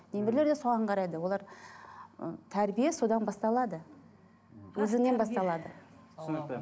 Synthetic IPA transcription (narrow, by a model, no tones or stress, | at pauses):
nemeɾle̞ɾd̪esɑʁəɴqʰɑɾɑjd̪əwo̞lˠɑɾ̰ | t̪ʰæɾbijeso̞d̪ɑnbɑst̪ɑlˠɑd̪ə | wɵzɪŋne̞nbɑst̪ɑlˠɑd̪ə